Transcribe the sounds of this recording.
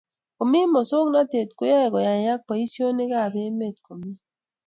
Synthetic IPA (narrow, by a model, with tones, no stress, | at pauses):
ko˨mi˦mɔ˨so˦ŋ˦na˦te˨tkʊ˦jɛ˦˨kɔ˨ja˨ja˦k̚pɔ˨i˦si˦o˦ne˦ka˦˨be˦me˦˨tko˨mi˦